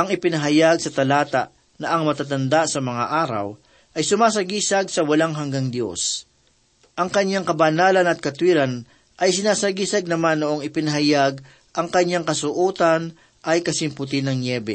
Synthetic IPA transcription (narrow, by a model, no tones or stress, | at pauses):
ʔɐŋɪpɪnɐɦɐjaɡsɐt̪ɐlaːt̪aʔ | nɐʔɐŋmɐt̪at̪ɐnd̪asɐmɐŋa̰ʔaːɾɐ̰w | ʔɐjsʊmaːs̬ɐɡiːsɐɡ̚sɐwɐlaŋɦɐŋɡaŋd̪jo̞̰s | ʔɐŋkɐɲːaŋkɐbɐnaːlɐnɐt̪̚kɐt̪wiːɾɐn | ʔɐjs̬ɪnaːsɐɡiːsɐɡ̚nɐmanːoʔoŋɪpɪnɐɦɐjaɡ̚ | ʔɐŋkɐɲːaŋkɐsʊʔuːt̪ɐn | ʔɐjkɐsɪmpʊt̪̬ɪnɐŋnɛbɛ